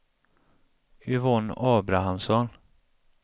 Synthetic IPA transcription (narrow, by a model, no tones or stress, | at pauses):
ʏvɔnɑːbɾaɦamsɔn